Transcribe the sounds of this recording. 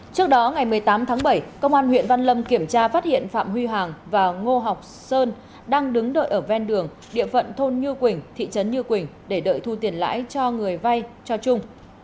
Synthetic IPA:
t͡ɕɨ˦˥ək̚ɗɔ˨˦ŋa˨˩jmɨ˨˩əjt̪aː˨˦mt̪ʰaː˨˦ŋɓə˧˩jkə˧wŋ͡mʔaː˧nhwḭ˧˨nva˧nlə˧mki˧˩əmt͡ɕaː˧faː˦˥t̚hḭ˧˨ənfa̰ː˧˨mhwi˧ɦwaː˨˩ŋvaː˨˩ŋo˧ɦa˨˩wk͡p̚səː˧n | ɗaː˧ŋɗɨ˨˦ŋɗə̰ː˧˨jʔəː˧˩vɛ˧nɗɨ˨˩əŋ | ɗḭ˧˨əfə̰˧˨nt̪ʰo˧nɲɨ˧kwï˨˩ŋ̟t̪ʰḭ˧˨t͡ɕə˨˦nɲɨ˧kwï˨˩ŋ̟ɗe˧˩ɗə̰ː˧˨jt̪ʰu˧t̪i˨˩ənla̰ː˧˥jt͡ɕɔ˧ŋɨ˨˩əjva˧jt͡ɕɔ˧t͡ɕʊ˧ŋ͡m

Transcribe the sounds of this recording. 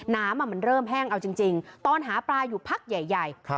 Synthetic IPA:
naː˦˥mːa˧˩ma˧nɾɤː˥˩mɦɛː˥˩ŋʔa˧wt͡ɕi˧ŋt͡ɕi˧ŋt̪ɔː˧nɦaː˩˦pɾaː˧juː˨˩pʰa˦˥˩k̚ja˨˩jːa˨˩jʰ

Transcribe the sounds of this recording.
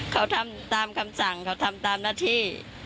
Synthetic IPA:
kʰa˧˩wt̪ʰa˧mt̪aː˨˧mkʰa˧msa˨˩˦ŋkʰa˧˩wt̪ʰa˧mt̪aː˨˧mnaː˧˥˩t̪ʰiː˧˩

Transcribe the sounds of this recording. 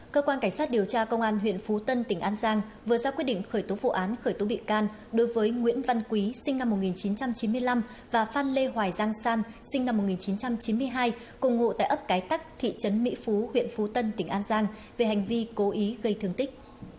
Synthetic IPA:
kəː˧kwaː˧nka˧˩ŋ̟saː˦˥t̚ɗi˨˩əwt͡ɕaː˧kə˧wŋ͡mʔaː˧nɦwḭ˧˨ənfu˨˦t̪ə˧nt̪ï˧˩ŋ̟ʔaː˧nzaː˧ŋvɨ˨˩əzaː˧kwt̚ɗḭ˧˨ŋ̟xəː˧˩jt̪o˨˦vṵ˧˨ʔaː˨˦nxəː˧˩jt̪o˨˦ɓḭ˧˨ənkaː˧n | ɗo˨˦jvəː˨˦jŋwḭ˧˥ənva˧nkwi˨˦sï˧ŋ̟na˧mː˨˩t̚ŋi˨˩nt͡ɕi˨˦nt͡ɕa˧mt͡ɕi˨˦nmɨ˧əjla˧m | vaː˨˩faː˧nle˧ɦwaː˨˩jzaː˧ŋsaː˧n | sï˧ŋ̟na˧m̚ː˨˩ŋi˨˩nt͡ɕi˨˦nt͡ɕa˧mt͡ɕi˨˦nmɨ˧əjɦaː˧j | kʊ˧˩ŋ͡mŋo̰˧˨t̪a̰ː˧˨ʔə˦˥p̚kaː˨˦jt̪a˦˥k̚t̪ʰḭ˧˨t͡ɕə˨˦nmḭ˧˥fu˨˦hwḭ˧˨ənfu˨˦t̪ə˧nt̪ï˧˩ŋ̟ʔaː˧nzaː˧ŋ | ve˨˩ha˨˩jŋ̟vi˧ko˨˦ʔi˨˦ɣə˧jt̪ʰɨ˧˩əŋt̪ï˦˥k̟̚

